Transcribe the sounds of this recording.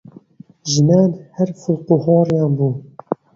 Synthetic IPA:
ʒɨnaːnhɛɾfʊlquhɑːɾjɑːnbuː

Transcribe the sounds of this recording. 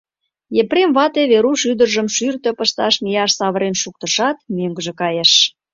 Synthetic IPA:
jepremβɑt̪eβeɾuʃyd̪ərʒəmʃyrt̪ø̆pəʃt̪ɑʃmijɑʃsɑβəɾenʃuk̚t̪ə̆ʃɑt̪̚møŋɡəʒĕkɑjeʃ

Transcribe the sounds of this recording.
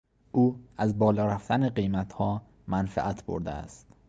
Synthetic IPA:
ʔuːæzbɒːlɒːɾæft̪ʰæneɢejmæt̪ʰhɒː | mænfæ̰ʔæt̪ʰbo̰ɾd̪ḛæ̰st̪

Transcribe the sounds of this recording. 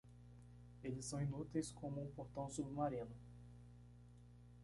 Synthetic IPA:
elɪsːɐ̃w̃ĩnut̪ejskõmʊũpoɾt̪ɐ̃w̃sobɪmaɾĩnʊ

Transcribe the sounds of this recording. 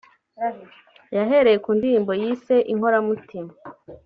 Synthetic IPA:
jaɦe̞ɾe̞jekuːndiɾiːmbo̞jiːse̞ʔiŋho̞ɾamutim

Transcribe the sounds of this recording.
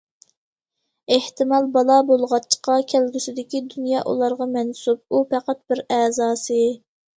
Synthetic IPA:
eht̪ɪmɑlˠbɑlˠɑbolˠʁɑt͡ʃʰːqɑkʲʰælɡʲysɪd̪ɪkʲid̪unjɑːʔṵlˠɑɾʁɑmɛnsub̚upɛqæt̪̚bɪɾɛːzɑːsɨ

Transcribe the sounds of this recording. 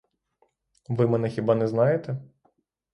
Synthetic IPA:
ʋɪmɛnɛxʲibɑnɛznɑjet̪ɛ

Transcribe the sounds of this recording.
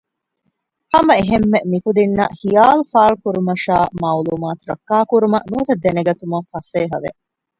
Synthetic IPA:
hɐmɐeɦemːemikud̪inːɐhijaːlufaːlukuɾumɐʃa̰ːmaːuluːmaːt̪uɾɐkːaːkuɾumɐʔnuːt̪ɐd̪ːeneɡɐt̪umɐfɐseːɦɐʋḛ

